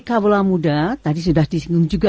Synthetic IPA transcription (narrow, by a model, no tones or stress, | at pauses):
kabolamudat̪adis̬udahdisəŋʊŋd͡ʒuɡa